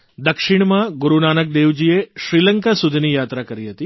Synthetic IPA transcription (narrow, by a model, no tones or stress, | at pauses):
d̪əkʃɪɳmãɡʊɾunanək̚d̪eʋd͡ʒieʃɾiləŋkasud̪ʱinijat̪ɾakəɾiɦət̪i